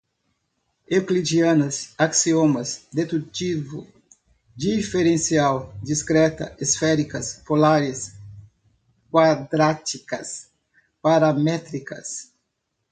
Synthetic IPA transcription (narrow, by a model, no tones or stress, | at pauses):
eklid͡ʒiɐ̃nɐsaksiomɐzd̪et̪ut͡ʃivu | d͡ʒifeɾẽnsiawd͡ʒiskɾɛt̪ɐ̰isfɛɾikɐspolaɾis | kwad̪ɾat͡ʃikɐs | paɾamɛt̪ɾikɐ̰s